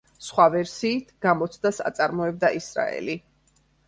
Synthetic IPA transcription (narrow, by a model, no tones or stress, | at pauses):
sχwavɛɾsiːt̪ʰɡ̥amɔt̪sʰd̪asa̰t̪sʼaɾmɔɛb̚d̪aʔisɾa̰ɛ̰li